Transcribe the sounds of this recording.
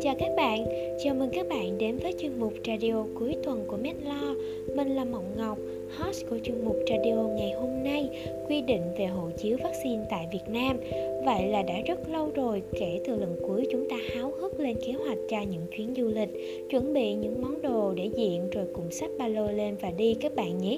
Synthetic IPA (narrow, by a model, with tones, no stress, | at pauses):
t͡ɕaː˨˩wkaː˦˥k̚ɓa̰ː˧˨n | t͡ɕaː˨˩wməː˨˩jkaː˦˥k̚ɓa̰ː˧˨nɗe˨˦nvəː˨˦jt͡ɕwi˧ənmʊ˨˩k͡p̚raː˧ɗi˧o˧ku˨˦əjt̪wə˨˩nku˧˩əmɛ˦˥t̚lɔ˧ | me˨˩nlaː˨˩ma̰˧˨wŋ͡mŋa˨˩wk͡p̚ | hɔ˦˥sku˧˩ət͡ɕwi˧ənmʊ˨˩k͡p̚raː˧ɗi˧o˧ŋa˨˩jho˧mna˧j | kwi˧ɗḭ˧˨ŋ̟ve˨˩ɦo̰˧˨t͡ɕi˨˦əwvaː˦˥k̚si˧nt̪a̰ː˧˨jvi˨˩ət̚naː˧mvə̰˧˨jlaː˨˩ɗa̰ː˧˥zə˦˥t̚lə˧wzo˨˩jke˧˩t̪ɨ˨˩lə˨˩nku˨˦əjt͡ɕʊ˨˦ŋ͡mt̪aː˧haː˨˦wɣɨ˦˥t̚le˧nke˨˦hwa˨˩jk̟̚t͡ɕɔ˧ɲɨ̰˧˥ŋt͡ɕwi˨˦ənzu˧lï˨˩k̟̚ | t͡ɕwə˧˩nɓḭ˧˨ɲɨ̰˧˥ŋmɔ˨˦wŋ͡mɗo˨˩ɗe˧˩zḭ˧˨ənzo˨˩jkʊ̰˧˩ŋ͡msa˦˥k̟̚ɓaː˧lo˧le˧nvaː˨˩ɗi˧kaː˦˥k̚ɓa̰ː˧˨nɲi˦˥t̚